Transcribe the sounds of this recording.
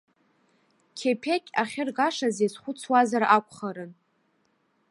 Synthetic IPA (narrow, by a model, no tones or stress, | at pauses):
kʲʰepʰekʲʼaχʲɪrɡaʂazezχʷʊt͡sʰwazarʔakʷʰʼχaɾɨn